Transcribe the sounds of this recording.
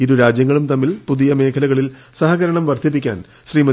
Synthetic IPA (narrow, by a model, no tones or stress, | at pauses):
iɾuɾaːd͡ʑjɐŋːɐɭumt̪ɐmːilpuðijɐme̞ːkʰɐlɐɣɐɭil | sɐɦɐɣɐɾɐɳɐmʋɐrd̪ʰʱip̬ːikʲːa̰ːn | ɕriːmɐ